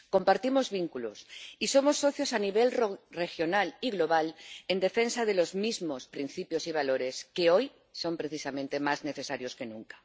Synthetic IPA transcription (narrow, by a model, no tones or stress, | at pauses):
ko̞mpaɾt̪imo̞zβiŋkulo̰siso̞mo̞sːo̞θjo̞saniβ̞e̞lre̞xjo̞naliɣlo̞β̞ale̞nd̪e̞fe̞nsað̞e̞lo̞zmizmo̞spɾin̟θipjo̞siβ̞alo̞ɾe̞ske̞o̞j | so̞mpɾe̞θisamẽnt̪e̞mazne̞θe̞saɾjo̞ske̞nũŋkḁ